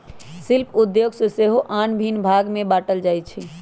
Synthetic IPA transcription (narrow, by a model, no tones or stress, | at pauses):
silpʰud̪joɡsɔseɦoʔanbʱinbʱaɡmebaːʈəld͡ʒajt͡ʃʰi